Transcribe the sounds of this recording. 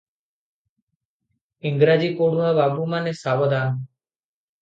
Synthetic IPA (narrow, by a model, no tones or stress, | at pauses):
ɪŋɡɾaːd͡ʑiːkoːɽ̤uɦaβaːbuːmanesaːʋəd̪aːn